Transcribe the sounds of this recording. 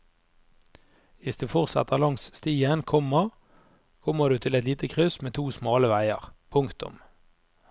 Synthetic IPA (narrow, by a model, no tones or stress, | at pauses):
ʋɪsd̪ʉːfɔʁsɑ̰t̪ʰəʁlɑŋsst̪iːənkʰɔməʁ | kʰɔməʁd̪ʉːt̪ʰɪlɛt̪liːt̪əkʰʁʉsmeːt̪ʰuːsmɑːləʋæɪə̰ʁpʰʊŋkt̪ʊ̰m